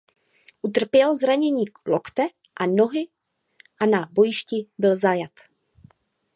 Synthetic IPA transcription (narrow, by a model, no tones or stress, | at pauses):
ʔut̪̬r̩pjɛlzɾaɲɛɲiːklokt̪ɛ | ʔano̞ɦɪ | ʔanabo̞jɪʃcɪbɪlzajat̪